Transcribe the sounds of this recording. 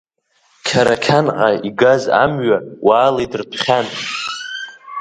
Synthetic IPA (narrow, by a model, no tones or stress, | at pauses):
kʲʰaɾakʲʰanʕaiɡaza̰mɥawaːlejdrpʰχʲan